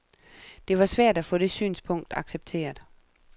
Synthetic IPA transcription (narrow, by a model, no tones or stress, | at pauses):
d̥e̝ʋɑ̈sʋæɐ̰d̥æfɔ̽d̥e̝sy̰ːnspʰɔ̽ŋ̰d̥ɑ̈ɡ̥seb̥̚t͡sʰe̝̰ːɐd̥